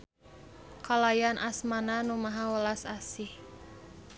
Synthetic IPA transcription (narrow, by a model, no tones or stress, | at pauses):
kalajanʔasmananumaɦawəlasasih